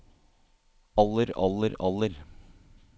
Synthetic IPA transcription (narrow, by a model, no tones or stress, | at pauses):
ɑlːəɾɑ̰lːəɾɑlːəɾ